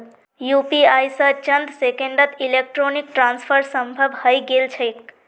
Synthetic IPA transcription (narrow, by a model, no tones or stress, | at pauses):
jupiajsət͡ʃənd̪sekeɳɖət̪ilek̚ʈɾonik̚ʈɾanspʰəɾsəmbʱəbʱhəjɡelt͡ʃʰəjk̚